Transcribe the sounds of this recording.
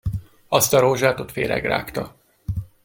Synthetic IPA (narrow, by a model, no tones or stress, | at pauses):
ɒst̪ɒɾoːʒaːt̪ot̪feːlɛ̰ɡra̰ːkt̪ɒ